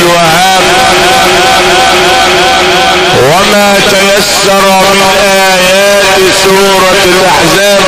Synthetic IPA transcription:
lwah | aːb | wamaːt̪ajasːɑɾˤamm | ʔaaːjaːt̪ | suːɾˤɑ | lʔaħzaːb

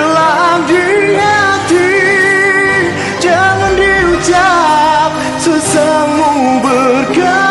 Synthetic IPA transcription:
laɡiɲat̪i | d͡ʒaŋandiut͡ʃap̚ | susamubərka

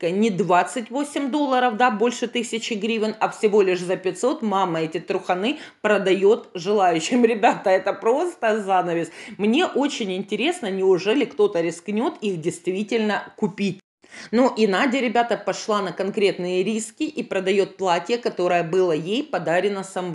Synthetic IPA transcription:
nʲɪd̪vat̪sɨtʲvosʲɪmd̪o̞lˠːəɾəfd̪abo̞lʲʂɨt̪ɨsʲɪt͡ɕɪɡɾʲivʲɪnɐfsʲɪvo̞lʲɪʂzəpʲɪt̪so̞t̪maməɛtʲɪt̪ɾʊxɐnɨpɾəd̪ɐjo̞t̪ʐɨlˠajʉɕːɪmɾʲɪbʲat̪əɛt̪əpɾo̞st̪əzanəvʲɪsʲmnʲe̞ʔo̞t͡ɕɪnʲɪnʲtʲɪɾʲe̞snənʲɪʊʐɛlʲɪkt̪o̞t̪əɾʲɪsknʲo̞t̪ixdʲɪjst̪vʲitʲɪlʲnəkʊpʲit̚ʲ | nuʔɪnadʲɪɾʲɪbʲat̪əpɐʂlˠanəkɐnkɾʲe̞t̪nɨjəɾʲiskʲɪʔipɾəd̪ɐjo̞t̪̚plˠatʲɪjəkɐt̪o̞ɾəjəbɨlˠəjejpɐd̪aɾʲɪnəsɐm

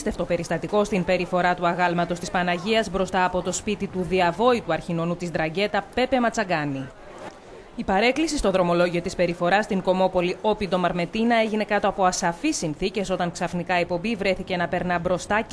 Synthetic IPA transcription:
st̪e̞ft̪o̞pe̞ɾist̪ɐt̪iko̞st̪impe̞ɾifo̞ɾɐt̪uɐɣɐlmɐt̪o̞st̪ispɐnɐʝiɐzbɾo̞st̪ɐːpo̞t̪o̞spit̪it̪uðiɐvo̞it̪uɐɾçino̞nut̪izd̪ɾɐɟe̞t̪ɐpe̞pe̞mɐt͡sɐɡɐni | ipɐɾe̞klisist̪o̞ðɾo̞mo̞loʝio̞t̪ispe̞ɾifo̞ɾɐst̪iŋɡo̞mo̞po̞lio̞pid̪o̞mɐɾme̞t̪inɐe̞ʝine̞kɐt̪o̞ɐpo̞ɐsɐfisːinθice̞so̞t̪ɐŋksɐfnikɐek̚po̞mbivɾe̞θice̞nɐpe̞ɾnɐbɾo̞st̪ɐ

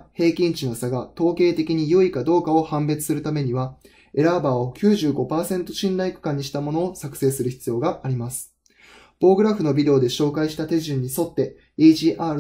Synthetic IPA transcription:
he̞ːkʲĩɲ̟t͡ɕino̞saɡat̪o̞ːke̞ːt̪e̞kʲiɲ̟ijɯːikad̪o̞ːkaohãmbe̞t͡sɨ̥sɨɾɯ̟t̪ame̞ɲ̟iβa | e̞ɾabaːokʲɨːʑɨːɡo̞paːsẽ̞nt̪o̞ɕĩnɾaikɯ̥kãɲ̟ːiɕi̥t̪amo̞no̞ːsakɯ̟̥se̞ːsɨɾɯ̟çi̥t͡sɨjo̞ːɡaʔːɾʲimasɨ̥ | b̥o̞ːɡɯ̟ɾaɸɯ̟no̞bʲid̪e̞ːd̪e̞ɕo̞ːkaiɕi̥t̪at̪e̞ʑɨ̃ɲ̟ːiso̞t̪ːe̞ | iːʑiːʔaːɾɯ

